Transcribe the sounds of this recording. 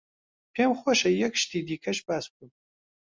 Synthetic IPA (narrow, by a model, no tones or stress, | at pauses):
pʰeːmχʷɔʃɐjɛkʃtʰiːdiːkʰɐʃpaːskʷʼʊm